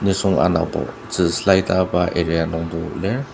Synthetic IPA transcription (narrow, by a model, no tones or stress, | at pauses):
nɯsɔŋa̰na̰bɔ̰ | z̥ɯslajtabaʔeɾianɔŋbɔlɛ